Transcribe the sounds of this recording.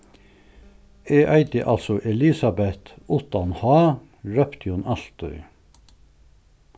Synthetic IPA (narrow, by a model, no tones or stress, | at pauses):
eːʔæɪd̪ɪʔɑlsɔʔɛlɪsɑbɛt̪ʊt̪ɑnhɑː | ɹœpt̪ʰjonʔɑlt̪œ̰ʏ